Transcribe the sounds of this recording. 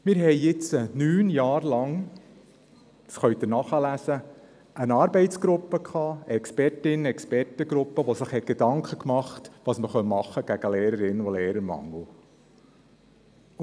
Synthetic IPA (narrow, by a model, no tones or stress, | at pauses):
mɪɾɦɛjjɪt͡sənyːnjɑːɾlɑŋ | sχœɥt̪ənɑχɑlæsə | ənɑːɾbɛɪtt͡sɡ̥ɾʊpːəkχɑːəɛkspɛrtɪnɛkspɛrtəɡɾʊpːəʋosəχhɛt̚ɡ̥ed̥ɑŋkχəkmɑχtʋɑːsməχœnmɑχːəɡ̥æɡ̥əleːɾəɾɪnoleːɾəɾmɑ̰ŋːl̩ˠ